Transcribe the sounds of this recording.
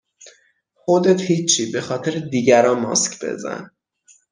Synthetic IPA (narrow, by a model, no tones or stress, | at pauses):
xod̪et̪hiːt͡ʃʰːiːbe̞xɒːt̪ʰeɾed̪iːɟæɾɒːmɒ̰scʰb̥e̞̰zæ̰n